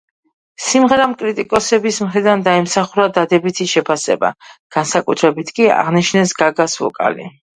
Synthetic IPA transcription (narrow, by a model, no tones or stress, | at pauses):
simʁɛɾamkʼɾit̪ʼikʼɔsɛbismχɾid̪and̪aɛmsaχuɾad̪ad̪ɛbit̪ʰiʃɛpʰasɛ̰ba̰ɡ̥ansakʼut̪ʰɾɛbit̪ʰkʼia̰ʁniʃnɛsɡaɡasvɔ̰kʼa̰lḭ